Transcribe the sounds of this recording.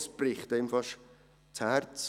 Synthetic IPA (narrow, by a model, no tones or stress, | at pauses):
sb̥riːχd̥ejmfɔʃ | tʰartʰ